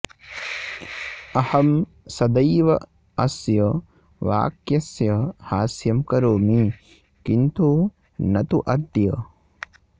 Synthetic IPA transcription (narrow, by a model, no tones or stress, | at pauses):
ɐhɐm | sɐd̪ɐjʋɐ | ɐsjɐ | ʋa̰ːkjɐsjɐhaːsjɐmkɐɾoːmi | kint̪u | nɐt̪uʔɐd̪jɐ